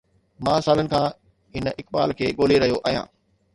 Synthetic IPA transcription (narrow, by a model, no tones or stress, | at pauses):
mãːsaːlənɪ̆kʰãː | ɪnʔɪk̚ɓa̰ːlkʰeːɠoːleɾɐɦijoʔaːijã̰ː